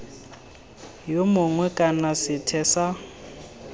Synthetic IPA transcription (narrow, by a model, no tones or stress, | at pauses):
jomʊŋwɛkʼanasɪtʰɛːsa